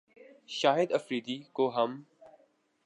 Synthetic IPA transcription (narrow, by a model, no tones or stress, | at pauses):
ʃaːɦɪd̪ɐfɾiːd̪iːkoːɦɐm